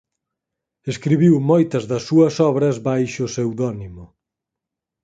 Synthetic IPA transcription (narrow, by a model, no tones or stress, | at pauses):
eskɾiβiwmɔjt̪ɐzðɐsːuɐsɔβɾɐzβajʃʊsewðɔnimʊ